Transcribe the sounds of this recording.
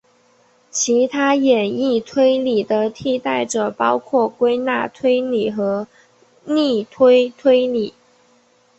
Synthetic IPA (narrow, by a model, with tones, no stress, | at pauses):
t͡ɕʰi˧˥t̪ʰa˥jɛ˨˩ni˥˩t̪ʰwe˥ɪli˨˩d̪ə˦t̪ʰi˥˧t̪a˥˩ɪʈ͡ʂɤ˨˩pɑ˥ʊkʰwɔ˥˩kwe˥ɪna̰˥˩t̪ʰwe˥ɪni˨˩˦xɤ˧˥ | ni˥˩t̪ʰwe˥ɪt̪ʰwe˥ɪli˨˩˦